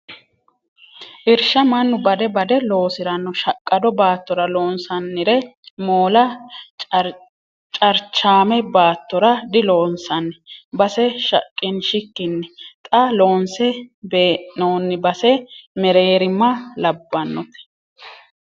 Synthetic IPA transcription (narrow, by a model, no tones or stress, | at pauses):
ʔɪɾʃɐmɐnːʊbɐd̪ɛbɐd̪ɛlo̞ːsɪɾɐnːɔʃɐkʼːɐd̪ɔbaːt̪ːɔɾɐlo̞ːnsɐnːɪɾɛmoːlɐ | t͡ʃʼɐɾt͡ʃːaːmɛbaːt̪ːɔɾɐd̪ɪlo̞ːnsɐnːbɐsɛʃɐ̰kʼːɪnʃɪkːɪnːɛt̪ʼɐlo̞ːnsɛbeːʔnoːnːɪbɐsɛmɛɾeːɾɪmːɐlɐbːɐnːɔt̪ɛ̥